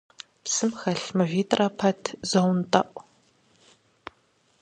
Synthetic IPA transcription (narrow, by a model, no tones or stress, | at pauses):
psɨmxɐɬmɨvʷiːtʼrɐpʰɐtʰzɐwntʼɐ̰ʔʷʼ